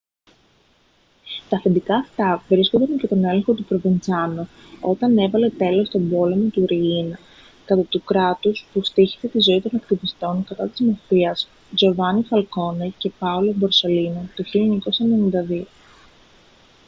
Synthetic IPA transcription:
t̪ɐθend̪ikɐːft̪ɐvɾiskond̪ɐncet̪o̞ne̞leŋxo̞t̪upɾovent͡sɐno | o̞t̪ɐne̞vɐle̞t̪e̞lo̞st̪o̞bo̞le̞mo̞t̪uɾiinɐ | kɐt̪ɐt̪ukɾɐt̪uspust̪içi̥se̞t̪izo̞it̪o̞nɐkt̪ivist̪o̞ŋkɐt̪ɐt̪izmɐfiɐs | zo̞vɐnifɐlko̞nece̞pɐolo̞boɾse̞linɐt̪uçilioɲɐko̞sɐene̞nind̪ɐðio

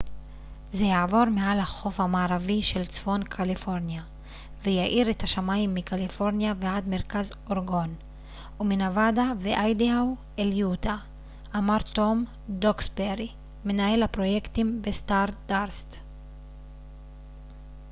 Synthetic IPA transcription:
zejaʕvo̞ʁme̞alhaχo̞fhamaːʁaviʃe̞lt͡sfo̞nkʰalifo̞ʁnja | vejaʔiʁet̪haʃamaimːikalifo̞ʁnjaveʕad̪me̞ʁkaz | o̞ʁɡo̞n | uminavadaveʔajdiaw | eljut̪aː | maʁto̞m | d̪oksbeʁi | me̞nae̞lhapʁo̞je̞kt̪imbest̪aʁdaʁst

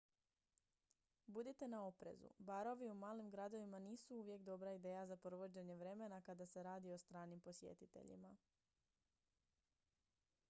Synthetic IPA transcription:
bud̪it̪e̞nao̞pɾe̞̰zṵbaɾo̞ʋiumaːlimɡɾad̪o̞ʋimaniːsuuʋje̞kd̪o̞bɾaid̪e̞ːjazapɾoʋo̞d͡ʑe̞ɲe̞ʋɾe̞me̞nakad̪ase̞ɾaːd̪io̞st̪ɾaːnimpo̞sje̞̰t̪it̪ḛʎḭma

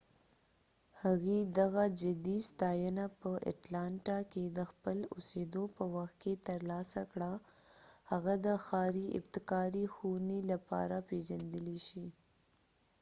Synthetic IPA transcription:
haɣid̪aɣad͡ʒad̪ist̪ɑjənapəʔa̰ʈlɑɳʈaked̪əxpəlʊsed̪opəwaxt̪̚ket̪əɾlɑsakɽa | haɣad̪əxɑɾiɪ̰bt̪ɪkɑɾixunilapɑ̰ɾapeʒand̪əliʃi

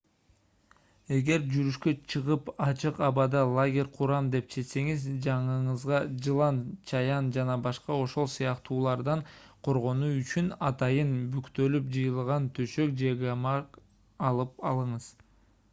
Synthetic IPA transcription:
e̞ɡe̞ɾd͡ʒyɾyʃkø̞t͡ʃʰɯʁɯpɑt͡ʃɯqɑβɑd̪ɑlˠaɡʲe̞ɾʲqʰuɾɑmd̪e̞p̚t͡ʃʰe̞t̪se̞ŋizd͡ʒɑɴɯɴɯzʁɑd͡ʒɯlˠɑnt͡ʃʰɑjɑnd͡ʒɑnɑbɑʃqɑo̞ʃo̞lˠsɯjɑqt̪uːlˠɑɾd̪ɑɴqʰo̞ɾʁo̞nuyt͡ʃynɑt̪ɑjɯnbykt̪ø̞lypd͡ʒɯjɯlˠʁɑnt̪ʰøʃøk̚d͡ʒe̞ɡamɑk | ɑlˠɯp̚ɑlˠɯɴɯz̥

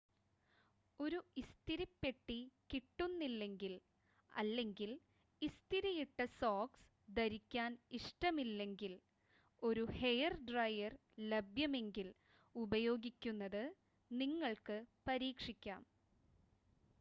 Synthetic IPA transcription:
o̞ɾuist̪iɾɐpːeʈːikiʈːunːilːe̞ŋɡil | ɐ̰lːe̞ŋɡil | ist̪iɾɐjiʈːɐsoːks | d̪ɐɾikʲːaːniʂʈɐmilːe̞ŋɡil | o̞ɾuhe̞jɐrɖrɐjɐr | lebjɐme̞ŋɡil | ubɐjo̞ːɡikʲːunːɐðɨ | niŋːɐɭkɨpɐɾiːkʂikʲːa̰ːm

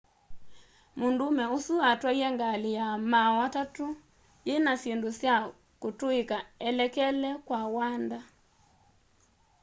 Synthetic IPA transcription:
mondomɛosuatwaiɛŋɡalijamawatato | jenasjendosja | kotoekaɛlɛkɛlɛkwawanda

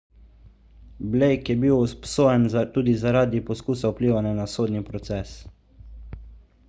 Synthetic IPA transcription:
blejkjɛbiwspsoːjɛnzt̪uːd̪izaɾaːd̪ipɔskuːsaupliːʋananasoːd̪nipɾɔt̪sɛs

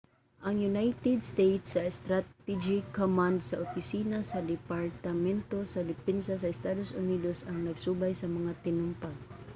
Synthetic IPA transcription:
ʔɐŋjʊnajt̪ɛd̪st̪ejt̪sɐɛst̪ɾat̪ɛd͡ʒikomand̪sɐʔʊpisiːnasad̪ɛpaɹt̪amɛnt̪osad̪ɪpɛnsas̬ɐɪst̪ad̪osʊnid̪osɐŋnɐɡsubajsɐmɐŋat̪ɪnʊmpal

